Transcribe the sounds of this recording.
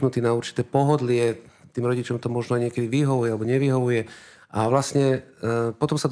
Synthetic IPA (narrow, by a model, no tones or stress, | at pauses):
nut̪iːnauɾt͡ʃi̥t̪ɛːpɔɦɔd̪lɪɛ | t̪iːmɾɔɟit͡ʃɔmt̪ɔmɔʒnɔaɲɪɛkɛd̪iʋiɦɔʋujɛalɛbɔɲɛʋiɦɔʋujɛ | aʋlasɲɛpɔt̪ɔmsad̪